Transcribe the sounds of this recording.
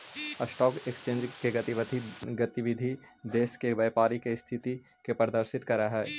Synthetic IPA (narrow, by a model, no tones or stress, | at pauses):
ɐsʈɔːkekst͡ʃẽːnd͡ʒkeɡɐt̪iʋət̪iɡɐt̪iʋɪd̪ʱi | d̪eːskeʋeːpaːɾikest̪ʰɪt̪i | kepɐɾd̪əɾʃɪt̪kɐɾaɦɛː